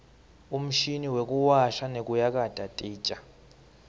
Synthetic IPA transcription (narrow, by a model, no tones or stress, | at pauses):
um̩ʃiniwekʼuwaʃanek̬ʼujak̬ʼad̥ʱʼatʼiːt͡ʃʼa